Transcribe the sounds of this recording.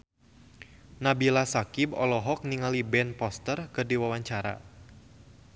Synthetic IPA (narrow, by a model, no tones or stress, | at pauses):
nabilasakibɔlɔɦɔk̚niŋalibɛnpɔst̪ərkɨrdiwawaɲt͡ʃaɾa̰